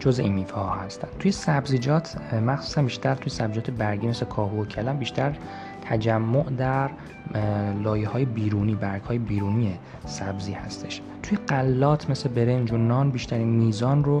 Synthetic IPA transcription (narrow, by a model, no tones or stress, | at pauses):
d͡ʒozeinmiːfɛhɒhæst̪ænt̪ʰujesæbzid͡ʒɒːt̪ʰmæxsu̥ːsænbiːʃt̪ʰæɾt̪ʰujesæbzid͡ʒɒːt̪ʰebæɾɡiːmeslekʰɒːɦuːocʰælæmbiːʃt̪ʰæɾ | t̪ʰæd͡ʒæmːoʔd̪æɾ | lɒːjehɒːje̞biːɾuːniːbæɾɡ̥hɒːjebiːɾuːnije | sæbziːhæst̪ʰe̞ʃ | t̪ʰujeɢælːɒːt̪ʰme̞slebe̞ɾe̞nd͡ʒonɒːnbiːʃt̪ʰæɾiːnmiːzɒːnro